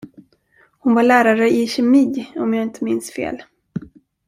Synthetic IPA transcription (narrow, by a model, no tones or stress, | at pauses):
hʊnvaɭæːɾaɾəɪɕɛmiːɔmjaːɪnt̪ʰəmɪnsfḛːl